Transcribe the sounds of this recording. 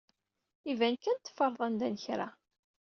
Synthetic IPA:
ivænkːænt̪ːə̥fəɾˤðˤænd̪ænəçɾa

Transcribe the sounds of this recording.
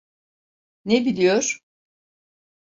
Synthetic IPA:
nebilʲijoɾ̥

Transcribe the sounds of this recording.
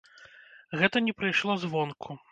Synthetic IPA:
ɣɛt̪ɐnʲɛpɾɐjʂlˠɔzvɔnkʰu

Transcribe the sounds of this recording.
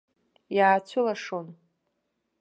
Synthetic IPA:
jaːt͡ɕʷʰʊlaʂon

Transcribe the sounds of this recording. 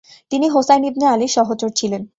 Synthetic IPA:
t̪iniɦosajnibnealiʃɔɦot͡ɕoɾt͡ɕʰilen

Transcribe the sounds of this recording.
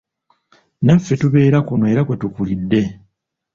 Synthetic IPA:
nafːe̞tuβe̞ːɾakunoe̞ːɾakwe̞tukulidːe̞

